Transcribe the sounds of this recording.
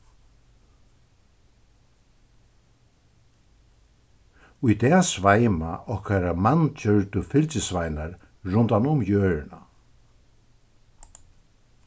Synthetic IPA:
ʊjt̪ɛːsvajma̰ʔɔhkaɾamant͡ɕœɹt̪ʊfɪlt͡ʃɪsvajnaɾ | ɾʊnt̪anʊmjøːɹɪna̰

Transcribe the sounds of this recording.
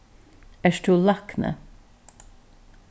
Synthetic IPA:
æʃʈuːlɑknə̰

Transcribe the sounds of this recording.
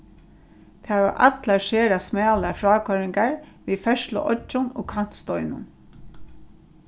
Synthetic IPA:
t̪ʰaːʋa̰ʔa̰t̪laʃeːɾasmɛːlafɾɑːkʰɔɾɪŋkaɹʋiːfɛʃlʊ̰ʔɔ̰t͡ʃːʊno̰ːkʰan̥t̪st̪ɔʏnʊ̰n

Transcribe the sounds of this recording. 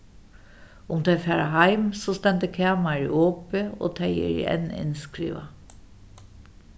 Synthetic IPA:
ʊmt̪ʰɛɪfɛːɾaɦaɪmsɔːst̪ɛnt̪əkʰæːmaɹɪʔoːpɪo̰ːt̪ʰɛjɛ̰ɾḭɛ̰nɪ̰nskɾḭːʋa

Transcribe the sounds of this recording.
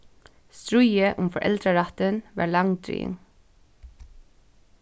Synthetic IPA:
st̪ɹʊjəʔʊmfɔʔɛ̰ld̪ɾəɹɑt̪ənʋɑ̰ːɹlɑŋd̪ɾḭːɪŋ

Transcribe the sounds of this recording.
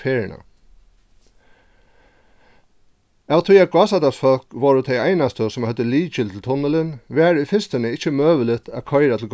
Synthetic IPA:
feːɾɪɳa̰ | awt̪ʰuat̪̚ɡwɑːsad̪asfɔlkʋɔɹət̪ʰɛɪæɪnast̪əsɔmhœt̪ːəliːt͡ʃɪlt̪ʰɪlt̪ʰʊnələnʋæːɹʏfɪnst̪ənəɪt͡ʃːəmøːʋəlɪt̪ʰæ̰kʰɔʏɪɾat̪ʰl̩ɡ

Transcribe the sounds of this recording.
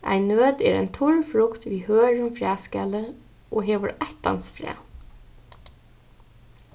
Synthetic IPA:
a̰ɪnːøːt̪ɛːɾæ̰ɪjnt̪ʰʊɹfɹʊkt̪ʋiːhøːɹəmfɹæːskalə | ʔoːɦeːʋəɹaht̪a̰nsfɾæ̰ː

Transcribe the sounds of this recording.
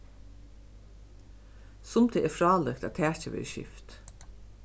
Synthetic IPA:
sʊmd̪ʰeːeːfɾɑːlɛkt̪ɑːt̪ʰæːt͡ʃəʋḛːʃɪ̰ft̪

